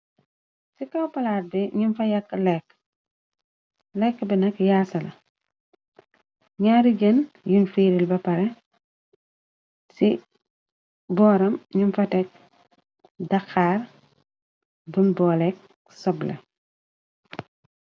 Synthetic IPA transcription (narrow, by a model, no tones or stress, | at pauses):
sikɐwpɐlaːt̚biɲunfɐjɐkːlɛkː | lɛkːbinɐkjaːsɐlɐ | ɲaːɾiɟənjunfiːɾilbɐpɐɾɛ | si | bɔːɾɐmɲunfɐtɛk̚ | dɐxaːr | bunbɔːlɛk̚ | sɔblɐ̰